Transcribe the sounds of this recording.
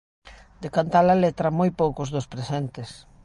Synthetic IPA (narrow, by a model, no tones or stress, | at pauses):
d̪ekant̪alɐlet̪ɾɐmojpowkʊzðʊspɾesent̪ɪs